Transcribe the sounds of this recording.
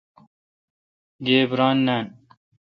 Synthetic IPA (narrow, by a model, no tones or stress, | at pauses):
ɡeːbɾaːnːaːn